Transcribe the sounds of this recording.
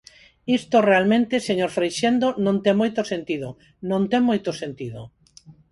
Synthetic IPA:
ist̪orealmẽnt̪eseɲoɾfɾejʃend̪onõnt̪emojt̪osent̪iðo | nõnt̪eŋmojt̪osent̪iðo

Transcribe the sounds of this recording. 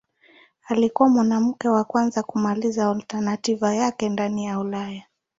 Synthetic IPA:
alikuwamwanam̩kɛwakwanzakumalizaːltanativajakɛndanijaulaja

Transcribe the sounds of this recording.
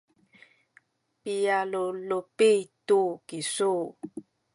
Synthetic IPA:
pijalolopit̪ukisu

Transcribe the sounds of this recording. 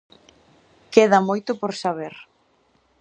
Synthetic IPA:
keðamojt̪ʊpoɾsaβeɾ

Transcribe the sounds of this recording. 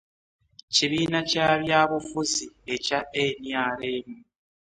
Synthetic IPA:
ciβiːnacaβjaːβufuzie̞caeɲjaːɾeːmu

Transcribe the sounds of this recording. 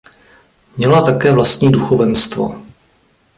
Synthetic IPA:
mɲɛlat̪akɛːvlast̪ɲiːduxovɛnst̪vo̰

